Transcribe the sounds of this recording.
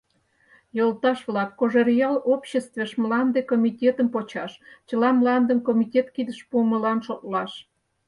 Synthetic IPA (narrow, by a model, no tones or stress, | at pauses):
jolt̪ɑʃβlɑkːoʒeɾijɑlopɕest̪veʃmlɑnd̪ekomʲitʲet̪əmpot͡ɕɑʃt͡ɕəlɑmlɑnd̪ənkomʲitʲet̪kid̪əʃpuəməlɑnʃok̪̚lɑʃ